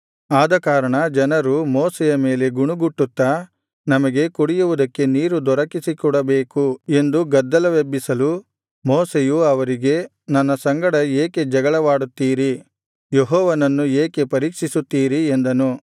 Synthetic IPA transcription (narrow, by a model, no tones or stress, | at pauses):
aːd̪ɐkaːɾɐɳɐd͡ʒɐnɐɾumoːsɛjɐme̞ːle̞ɡuɳuɡuʈːut̪ːa | nɐmɐɡe̞kuɽijuʋud̪ɐkːe̞niːɾud̪ɔɾɐkisikɔɽɐbeːkue̞nd̪uɡɐd̪ːɐlɐʋebːisɐlu | moːsejuɐʋɐɾiɡe̞ | nɐnːɐsɐŋɡɐɽɐeːke̞d͡ʒɐɡɐɭɐʋaːɽut̪ːiːɾi | jeɦɔːʋɐnɐnːueːkepɐɾiːkʂisut̪ːiːɾiend̪ɐnu